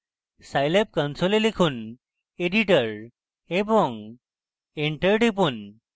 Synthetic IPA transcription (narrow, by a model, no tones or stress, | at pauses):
sajlep̚kə̃nsolelikʰuːn | eɖiʈəɾ | ebɔ̃ŋɡ | eɳʈəɾʈip̬uːn